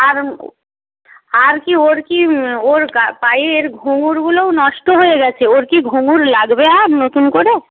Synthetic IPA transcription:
aɾ | aɾkioɾkioɾɡapajeeɾɡʱuŋuɾɡuloonɔʃʈoɦoeɡɛt͡ɕʰeoɾkiɡʱoŋuɾlaɡbeaɾnot̪unkoɾe

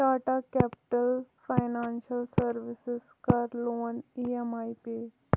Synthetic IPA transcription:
ʈaʈakɛpʈəlfajnanɕəlsəɾʋisɪskaɾloːniemajpi

